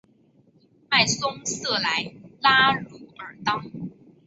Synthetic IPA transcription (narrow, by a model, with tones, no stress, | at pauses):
ma˥˩ɪsʊ˥ŋsɤ˥˩la˧˦ɪla˥ɻu˧˥ə˞˨˩t̪ɑ˥˩ʊ